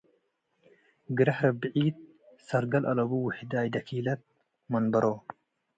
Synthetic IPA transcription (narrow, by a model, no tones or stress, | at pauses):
ɡɨɾɐħɾɐbɨʕiːd̪̚ | sɐɾɡɐlʔɐlɐbuwʊħd̪aːjd̪ɐkʰiːlɐt̪̚ | mɐnbɐɾoː